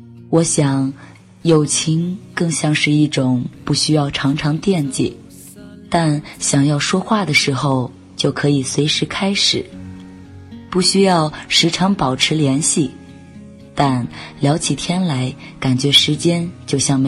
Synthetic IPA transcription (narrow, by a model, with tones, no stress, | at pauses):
wɔ˧˥ɕjɑ˨˩˦ŋ | jo˨˩ʊt͡ɕʰi˧˥ŋkɤ˥˧ŋɕjɑ˥˧ŋʂɻ̩˥˧i˥˩ʈ͡ʂʊ˨˩ŋpu˥˩ɕy˥jɑ˥˩ʊʈ͡ʂʰɑ˧˥ŋʈ͡ʂʰɑ˧˥ŋt̪jɛ˥˩nt͡ɕɛ̰˨˩˦ | t̪a˥˩nɕjɑ˨˩ŋjɑ˥˩ʊʂwɔ˥xwa˥˩d̪ə˩ʂɻ̩˧˥xo˥˧ʊ | t͡ɕjo˥˩ʊkʰɤ˧˥i˨˩swe˧˥ɪʂɻ̩˧˥kʰa˥ɪʂɻ̩˨˩˦ | pu˥˩ɕy˥jɑ˥˩ʊʂɻ̩˧˥ʈ͡ʂʰɑ˧˥ŋpɑ˨˩ʊʈ͡ʂʰɻ̩˧˥ljɛ˧˥nɕi˥˩ | t̪a˥˩nljɑ˧˥ʊt͡ɕʰi˨˩t̪ʰjɛ˥nla˧˥ɪ | ka˨˩nt͡ɕɥɛ˧˥ʂɻ̩˧˥t͡ɕjɛ˥nt͡ɕjo˥˧ʊɕjɑ˥˩ŋm˧